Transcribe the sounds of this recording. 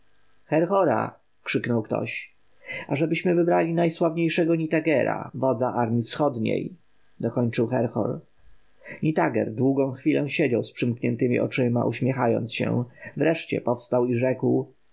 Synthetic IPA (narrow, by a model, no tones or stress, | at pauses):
xɛɾxɔɾa̰ | kʂɘknɔwkt̪ɔ̰ɕ | aʐɛbɘɕmɘvɘbɾalʲinajswavɲejʂɛɡɔɲit̪aɡɛɾa̰vɔd̪zaʔaɾmʲjifsxɔd̪ɲḛj | d̪ɔkɔɲt͡ʂɘwxɛɾxɔ̰ɾ | ɲit̪aɡɛ̰ɾd̪wuɡɔ̃w̃xfʲilɛ̃w̃ɕed͡ʑawspʂɘmkɲɛnt̪ɘmʲḭʔɔt͡ʂɘma̰ʔuɕmʲjɛxajɔ̰nt̪sɕɛ̰vɾɛʂt͡ɕɛ̰pɔfst̪awiʐɛkw